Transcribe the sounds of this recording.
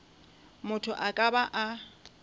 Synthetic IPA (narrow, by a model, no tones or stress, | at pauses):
mʊtʰʊʔakʼabaʔa